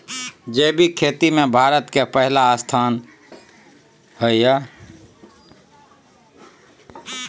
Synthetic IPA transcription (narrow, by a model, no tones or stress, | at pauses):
d͡ʒeːbʱikʰeːt̪imẽbʱaːɾət̪kepəɦɪlaːst̪ʰaːn | həiaː